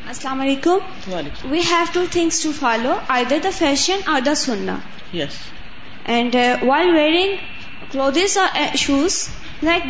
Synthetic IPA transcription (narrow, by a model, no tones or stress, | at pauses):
ɐslaːmɐleːkʊ̃m | ʋiːɦæʋʈuːt̪ʰɪ̃ŋsʈufɔːloːʔaɪd̪əɾd̪əfɛʃə̃nɔːɾd̪əsʊ̃nːa̰ | jɛs | ʔɛ̃ɳɖʋaɪlʋeːɾɪ̃ŋɡ | kloːd̪ɪzʃuːz | laɪk̚